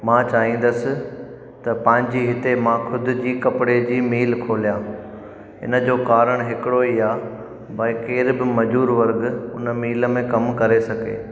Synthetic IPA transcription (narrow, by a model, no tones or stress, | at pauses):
mãːt͡ɕaːɦĩːn̆d̪əsɪ̆ | t̪ɐpɐ̃ɦɪ̃ɲ̆d͡ʑiːɦɪt̪emãːxʰʊd̪ɪ̆d͡ʑiːkɐpɪɽed͡ʑiːmiːlkʰoːlijãː | ɦɪ̰nəd͡ʑoːkaːɾəɽ̃ɦɪkɪɽoiːaː | bʱɐikeːɾbɪmɐd͡ʑuːɾʋɐɾɡʊnəmiːləmẽkɐmkɐɾesɐɡḛː